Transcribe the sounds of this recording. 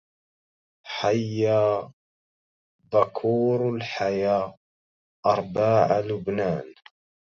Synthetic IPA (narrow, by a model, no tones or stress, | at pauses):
ħajːaː | bakʰuːɾlħajaː | ʔɑɾˤbaːʕalʊbnaːn